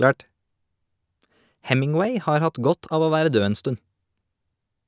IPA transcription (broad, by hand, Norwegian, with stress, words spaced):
ˈhɛmɪŋˌweɪ ˈhɑːɾ ˈhɑt ˈɡɔt ˈɑːʋ ˈoː ˈʋæːɾə ˈdøː ˈeːn ˈstʉn